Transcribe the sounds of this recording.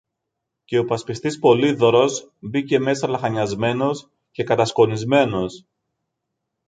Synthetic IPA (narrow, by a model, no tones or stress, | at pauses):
ce̞o̞pɐspist̪ispo̞liðo̞ɾo̞sbice̞me̞sɐlɐxɐɲɐzme̞no̞s | ce̞kɐt̪ɐsko̞nizme̞no̞s